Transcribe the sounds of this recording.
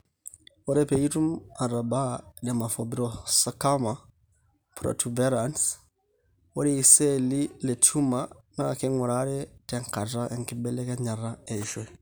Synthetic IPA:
wɔ˦ɾɛ˦pɛ˨i˦tu˦ma˨ɾa˨ba˦dɛ˨ma˨fɔbiɾɔsa˨ka˦ma | pɾɔ̰˨tubɛɾans | wɔ˦ɾi˦isɛ˦li˦lɛ˨t͡ʃu˦ma˦nakɛ˦ŋɔ˨ɾaɾɛ˦tɛŋka˨ta˦ʔɛ˨ŋki˦bɛ˦lɛ˦kɛ˦ɲa˨ɾaɛ˨ʃwɛ

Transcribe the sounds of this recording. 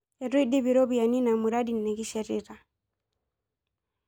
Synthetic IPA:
ɛ˨ɾu˦i˦di˦βi˨ɾɔ˦bu˨ja˨ni˦na˨mu˨ɾa˦di˨nːɛ˨ɡi˦ʃɛ˨ɾḭɾa˨

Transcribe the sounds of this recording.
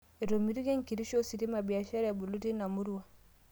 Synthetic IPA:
i˨ɾo˨mi˦ɾi˦ɡe˦ŋki˨ɾi˦ʃo˦si˨ti˦ma˨bi˨a˨ʃe˦ɾe˨bu˨lu˦ti˦na˨mu˦ɾu˦wa˨

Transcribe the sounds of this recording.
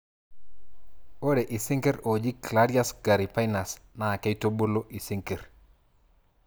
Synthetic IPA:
o˦ɾe˨ʔi˨si˦ŋke˦ɾo˨d͡ʒi˦klaɾi˦a˦sɡa˨ɾi˨pa˦jna˨sna˨ke˦i˦to˦bo˦lo˦ʔi˨si˦ŋke˨ɾ

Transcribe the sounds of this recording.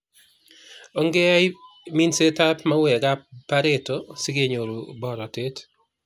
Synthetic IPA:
ɔ˦ŋɡɛ˦a˦jmi˦nse˦ta˦pma˦wɛ˨ɡa˦pːa˦ɾe˦tɔsi˦ɡe˦ɲo˨ɾu˨bɔ˨ɾɔ˨te˦t

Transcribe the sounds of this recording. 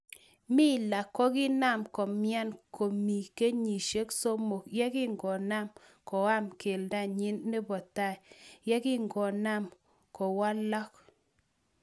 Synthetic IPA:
mɪ˦˨la˨kːɔ˦kɪ˦na˦˨mkɔ˨mja˦nkʰo˨mi˨ke˦ɲi˨ʃe˦kso˦mo˨kjɛ˦kɪ˦ŋɡɔ˨na˦˨mkɔ˨a˦mke˨lda˦˨ɲɪ˦nːɛ˦bɔ˨ta˦˨jjɛ˦kɪ˦ŋɡɔ˨na˦˨m | kɔ˨wa˦lɔ˦k

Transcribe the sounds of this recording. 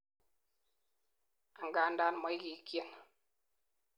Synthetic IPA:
a˨ŋɡa˨˦˨nda˦n˨mɔ˨˦i˦ki˨˦kje˦n

